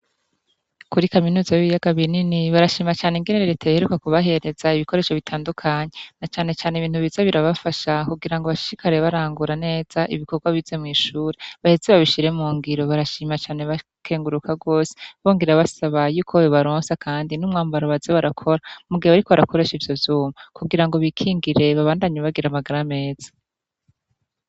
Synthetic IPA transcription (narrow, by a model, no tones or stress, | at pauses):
kuɾikaminuːzajiβijaɡaβininiβaɾaʃiːmat͡ʃaːneŋɡeneɾeɾe̞tʰajaheɾukakuβaɦe̞ɾe̞z̥aiβiko̞ɾe̞ːʃo̞βitʰaːndukʰaɲenat͡ʃaːne̞t͡ʃaːneiβiːn̥huβiz̥aβiɾaβafaʃakuɡiɾaŋɡoβaʃi̥ɾikaɾe̞βaɾaːŋɡuɾane̞ːz̥aʔiβiko̞ɾɡwaβize̞mŋiːʃuːɾeβahezeβaβiʃiɾe̞muːŋɡiɾo̞βaɾaʃiːmat͡ʃaːne̞βa | kʰe̞ːŋɡuɾukaɡo̞ːse̥βoːŋɡiɾaβasaβajuːkʰojoβaɾoːnsakʰaːndinumŋaːmbaɾaβazeβaɾakʰo̞ɾamuɡiheβaɾikoβaɾako̞ɾe̞ʃivjo̞vjumakuɡiɾaŋɡoβikʰiːŋɡiɾe̞βaβaːndaɲeβaɡiɾamaɡaɾame̞ːz̥ḁ